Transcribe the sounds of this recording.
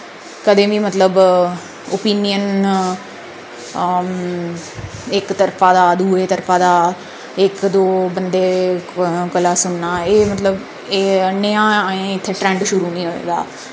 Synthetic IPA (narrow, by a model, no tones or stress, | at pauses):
kəd̪ẽːʋĩːmət̪ləb | opiːnɪjən | ɪkt̪əɾpʰaːd̪aːd̪uːeːt̪əɾfʰãːd̪aː | ɪkd̪oːbənd̪eː | kəlaːsʊɳːaːeːmət̪ləb | eːnːɪãːẽːɪt̪ʰːeːʈɾɛ̃ːɳɖʃʊɾuːnĩːɦoːḛːɡa̰ː